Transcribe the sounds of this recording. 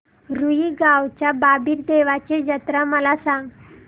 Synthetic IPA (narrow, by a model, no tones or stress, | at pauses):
ɾuiːɡawt͡ɕjababiːɾd̪eʋat͡ɕed͡ʑət̪ɾəməlasãŋɡ